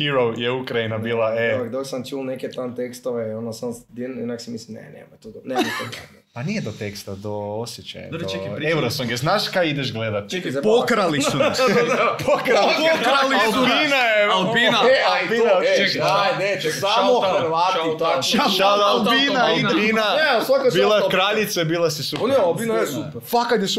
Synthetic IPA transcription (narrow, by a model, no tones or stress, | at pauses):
hiɾowjeukɾajinabiːlˠaekd̪oksamt͡ʃulˠneket̪ant̪ekst̪oʋeionosamod̪einaksimislimnḛnḛmo̰jt̪ud̪nemot̪o | panijed̪ot̪ekst̪ad̪oosjet͡ɕa̰ja̰d̪t͡ʃekewɾosuŋɡeznaʃkajid̪eʃɡled̪at̪t͡ʃekzepokɾaliu | pokɾapkɾalilpinaelpinaapinaaad̪et͡ʃesamoɾʋat̪it̪aalpinaninaneasʋakabilˠakɾaʎit̪sebiːlˠasisupnobinaesup | fakat̪jes